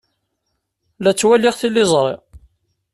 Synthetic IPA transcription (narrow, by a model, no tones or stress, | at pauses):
læt͡sːwæliʁθilːɪzˤɾˤḭ